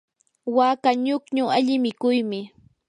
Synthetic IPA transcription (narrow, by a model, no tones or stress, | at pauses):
waːkaɲʊkɲʊaʎɪmɪkʊjmɪ